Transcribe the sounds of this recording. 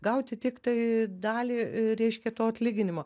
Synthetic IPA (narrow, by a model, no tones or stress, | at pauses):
ɡɐʊt̪ʲɪt̪ʲɪkt̪ɐɪd̪ɑːlʲiːɾʲɛɪʃʲkʲɛt̪oːɐtʲlʲiːɡʲɪnʲɪmoː